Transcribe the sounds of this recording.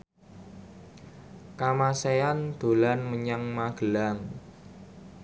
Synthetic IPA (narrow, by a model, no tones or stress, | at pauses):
kamaseand̪̥o̤lanməɲaŋmaɡ̥əlaŋ